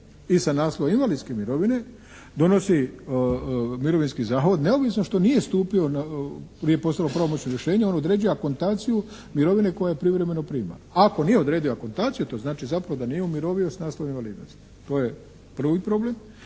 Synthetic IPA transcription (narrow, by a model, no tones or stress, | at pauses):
isanaːsloʋainʋalid̪skemiɾo̞ʋine̞ | d̪o̞no̞si | miɾo̞ʋinskizaːxʋod̪ne̞oʋisnoʃt̪o̞nije̞st̪uːpio̞napɾijepo̞st̪alopɾaʋomot͡ɕnoɾjeʃe̞ːɲeo̞nod̪ɾeːd͡ʒujako̞nt̪aːt̪siju | miɾo̞ʋine̞ko̞jajepɾiʋɾeme̞no̞pɾiːma̰laako̞nijeo̞d̪ɾeːd̪ijoako̞nt̪aːt̪sijut̪o̞znaːt͡ʃizapɾaʋod̪anijeumiɾo̞ːʋiosanaːslˠoʋainʋaliːd̪nos | t̪o̞ːje | pr̩ʋipɾo̞ble̞m